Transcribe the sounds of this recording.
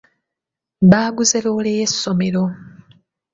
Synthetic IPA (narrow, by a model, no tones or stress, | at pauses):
βaːɡuzeloːlejesːo̞me̞ɾo̞